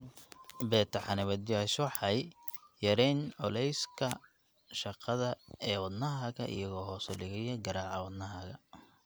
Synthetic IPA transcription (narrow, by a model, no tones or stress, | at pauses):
bɛːt̪ʰɐħɑnɪβɐd̪jaʃħɑjjɐɾɛnʕɔ̰lɛjskʰɐ | ʃɑqɑðɐɛːwɑd̪nɐɦɐɣɐʔɪ̰jɐɣɔːɦɔːsɔlɪɣɛjɐɡɐɾaːʕɑwɑd̪nɐɦɐɣɐ